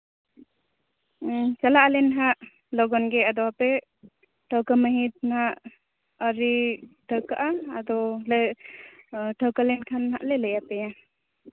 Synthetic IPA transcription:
t͡ʃalaʔalɛnɦaʔ | lɔɡɔnɡɛad̪ɔwapɛ | ʈʰəwkaməɦit̪̚naʔ | əɾiʈʰəwkaʔaːd̪ɔlə | ʈʰəwkalɛnkʰanɦaʔlɛləjat̪ɛja

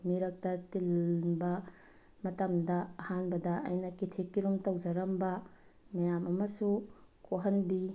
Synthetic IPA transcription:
miɾɐk̚tɐtilnbɐ | mɐtɐmdɐɐhanbɐdɐʔɐ̰jnɐkitʰekːiɾumtɐwd͡ʒɐɾɐmbɐ | mɐjamɐmɐsukoɦɐnbi

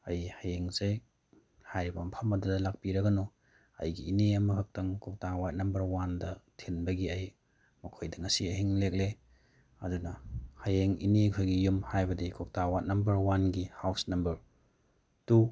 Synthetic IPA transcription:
ɐjhajeŋze | hajɾibɐmpʰɐmɐdudɐlak̚piɾɐɡɐno | ɐ̰jɡiːneɐmɐkʰɐk̚tɐŋkʰok̚tawat̚nɐmbɐɾwandɐtʰenbɐɡiɐj | mɐkʰojdɐŋɐsiɐɦiŋlek̚le | ɐ̰dunɐhajeŋḭnekʰojɡijumhajbɐdikʰok̚tawat̚nɐmbɐɾwanɡihawsnɐmbɐɾ | tu

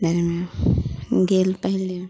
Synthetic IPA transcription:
dʱaɾme | ɡelpəɦile

